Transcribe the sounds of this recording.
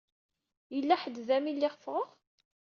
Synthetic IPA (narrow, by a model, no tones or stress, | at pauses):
jəlːæħəd̪ːðæmilːɪʁfʁəʁ